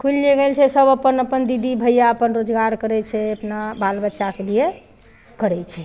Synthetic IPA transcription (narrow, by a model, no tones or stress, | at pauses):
kʰulːeɡelt͡ʃʰɛsəbəpənəpənd̪id̪ʱibʱəjaəpənɾod͡ʒɡaɾkəɾɛt͡ʃʰɛəpnabalbəːʃakelije | kəɾɛt͡ʃʰɛ